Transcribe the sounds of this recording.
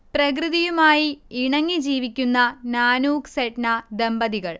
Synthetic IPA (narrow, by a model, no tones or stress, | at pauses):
prɐkrɨðijumaːjiiɳɐŋːid͡ʑiːʋikʲːunːɐnaːnuːkseʈnɐd̪embɐðiɣɐɭ